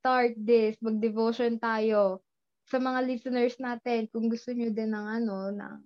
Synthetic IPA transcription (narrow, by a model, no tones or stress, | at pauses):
st̪aɹt̪̚d̪ɪsmɐɡ̚d̪ɛvoʃont̪aːjo̞ | sɐmɐŋaliːsɛnɛɹsnaːt̪ɛnkʊŋɡʊst̪oɲod̪ɪnɐŋʔɐno̞nɐ̰ŋ